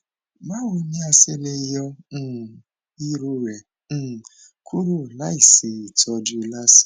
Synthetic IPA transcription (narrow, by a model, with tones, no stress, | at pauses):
ma˦wo˧˦ɲĩ˦a˧se˦le˦jɔ̃˦˨ | i˦ɾu˦ɾɛ̃˨˦˨ | kʰu˦ɾu˦˨la˦i˨se˨i˨tɔ˧dʊ˨i˨la˦si̥˦